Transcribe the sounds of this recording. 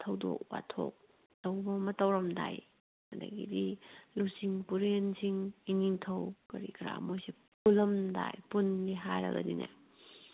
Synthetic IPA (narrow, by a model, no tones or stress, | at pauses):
tʰɐwdo̰k̚wa̰tʰo̰k̚ | tɐwbɐmɐtɐwɾɐmdaj | ɐda̰ɡidilusiŋpuɾensʰiŋiniŋtʰɐwkɐɾikʰɾa̰mojsi | pulɐmda̰jpunniɦajɾɐ̰ɡɐ̰nina